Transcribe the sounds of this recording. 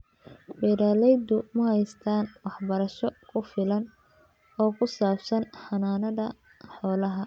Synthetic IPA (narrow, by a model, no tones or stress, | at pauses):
bɛɾaːlɛjd̪ʊmɐhɛjst̪ʰaːnwɑħbɐɾɐʃɔkʰʊfɪlɐn | ɔːkʰʊsaːbsɐnħɑnaːnɐðɐ | ħɔːlɐɦɐ